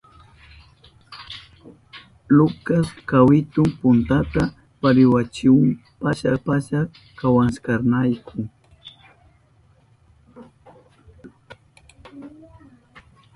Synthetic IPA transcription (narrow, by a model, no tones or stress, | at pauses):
lʊkaskawɪt̪ʊmpʊnt̪at̪a | paɾɪwat͡ʃɪwaŋpaʃapaʃa | kawanskaɾnajkʰʊ